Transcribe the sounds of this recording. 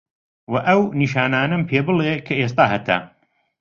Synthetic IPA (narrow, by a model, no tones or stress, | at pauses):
wɐʔɐwniːʃaːnaːnɐmpʰeːbɨlekʰɐeːs̬t̪aːɦɐt̪ʰɐ̰